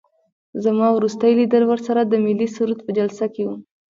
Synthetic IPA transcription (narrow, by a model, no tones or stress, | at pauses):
zamɑwɾust̪əjlid̪əɾwəɾsaɾad̪əmilisuɾud̪̚pəd͡ʒalsakewu